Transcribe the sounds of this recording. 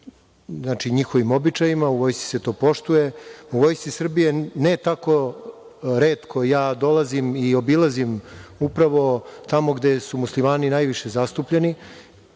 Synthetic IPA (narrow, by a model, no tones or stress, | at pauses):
znaːt͡ʃiɲixo̞ʋimo̞bit͡ʂajimauʋo̞jst̪si̥se̞t̪o̞ːpo̞ʃt̪uje̞uʋo̞jst̪isr̩bije̞net̪ako̞ | ɾe̞ːt̪kʰo̞jaːd̪o̞lazimio̞bilˠazimupɾaʋo̞t̪amo̞ɡd̪e̞sumuslimaːninajʋiʃe̞zast̪upʎeni